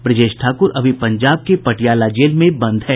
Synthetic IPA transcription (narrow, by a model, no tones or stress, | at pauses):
pɾɪd͡ʒeːʃʈʰaːkʊɾɐbʱipɐ̃ɲd͡ʒaːb̚kepɐʈijaːlad͡ʒeːlmẽbɐ̃nd̪ɦɛː